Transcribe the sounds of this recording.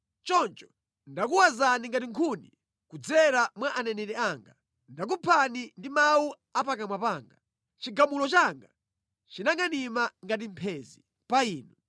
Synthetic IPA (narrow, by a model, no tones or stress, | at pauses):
t͡ʃɔnt͡ʃɔ̥ | ndak̬uwazaniŋɡatiŋkʰuni | kud͡zɛɾamwaʔanɛnɛtɛaːŋɡa | ndak̬upʰanindimawu | apakamwapaːŋɡa | t͡ʃiɡamulɔt͡ʃaŋɡa | t͡ʃinaŋɡanimaŋɡat̬impʰɛzi | paiːnu